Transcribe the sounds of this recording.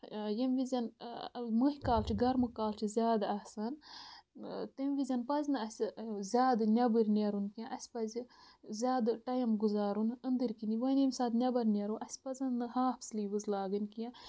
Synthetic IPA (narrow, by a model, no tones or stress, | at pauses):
jɐmʋizʲɐnmɨɦikaːlt͡ʃʰiɡɐɾmɨkaːlt͡ʃʰizʲaːd̪ɐsɐn | t̪ɐmʲʋizʲɐnpɐznɨɐsʲzʲaːd̪nʲɐbɨɾʲnʲeɾunkijãʔɐsʲpɐzi | zʲaːd̪ʈɐjɐmɡuzaːɾunɨnd̪ɨɾkiniʋɐnimsaːd̪nʲɐbɐɾnʲeɾuʔɐsʲpɐzɐnːɨhaːpʰsliːbɨzlaːɡɨnʲkijã